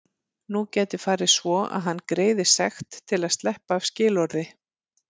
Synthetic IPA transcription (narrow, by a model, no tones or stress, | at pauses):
nucɛːt̪ɪ̥faːɾɪsvɔa̰ðɦanːkɾeːjðɪ̥sɛxt̪ʰːɪlaðst̪lɛhpaːv̥scɪːlɔɾðɪ